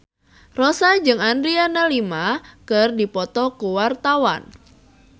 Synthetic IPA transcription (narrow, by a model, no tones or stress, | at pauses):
rɔsad͡ʒɨŋandɾianalimakɨrdipɔt̪ɔkuwart̪awa̰n